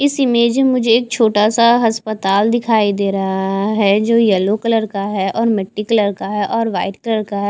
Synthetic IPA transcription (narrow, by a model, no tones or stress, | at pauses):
ɪsɪmeːd͡ʒmemʊd͡ʒʱeeːk̚t͡ʃʰoːʈasaɦɐspət̪aːld̪ɪkʰaːid̪eːɾɐɦaaɦɛd͡ʒoːjɛlokələɾkaɦɛʔɔːɾmɪʈːikləɾkaɦɛʔɔːɾʋaːɪʈkləɾkaɦɛː